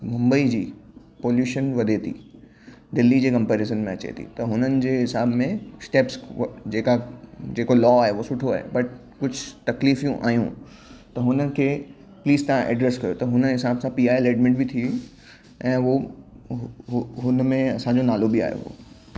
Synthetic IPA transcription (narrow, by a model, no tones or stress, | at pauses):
mʊ̃mbəid͡ʑiː | poːljuːʃənʋɐd̪ʱet̪ʰḭ | d̪ɪlːid͡ʑeːkɐ̃mpɛːɾeːs̬ənmẽɐt͡ɕḛt̪ʰḭt̪ɐɦʊnənɪ̆d͡ʑeːɦɪsaːbmẽsʈeːpsd͡ʑeːkad͡ʑeːkolɔːaːɦeosʊʈʰoa̰ːɦḛbɐʈ | kʊd͡ʑʱʊt̪ɐkliːfijũʔa̰ːjũ | t̪ɐɦʊnənɪ̆kʰeː | pliːzt̪ɐãʔɛ̰ːɖɾeskɐjot̪ɐɦʊnəɦɪsaːbsãpiːaːeleːɖmɪ̃ɳʈbɪt̪ʰii | ʔɛ̃ːo | ɦʊnmẽɐsãɲd͡ʑonaːlobia̰ːɦjo̰ɦo̰ː